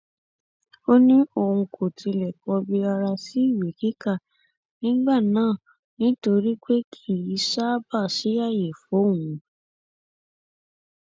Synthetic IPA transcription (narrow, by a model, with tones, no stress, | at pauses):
o˦nĩ˦o˦˨hũ˧kʰo˨tʰi˧lɛ˨kɔ˧bi˧a˧ɾa˧si˦i˦˨we˨ki˦ka˦˨ | nĩ˦ɡ͡ba˦˨nãː˦˨ | nĩ˦to˧ɾi˦k͡pe˦kʰi˦˨ji˨˦ʃa˦ba˦˨ʃi˨˦a˦˨je˨fo˨˦˨wũ˨˦